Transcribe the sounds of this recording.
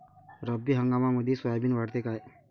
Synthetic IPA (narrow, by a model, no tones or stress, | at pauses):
ɾəbːiɦə̃ŋɡamaməd̪ʱiswabinʋaɽt̪ekae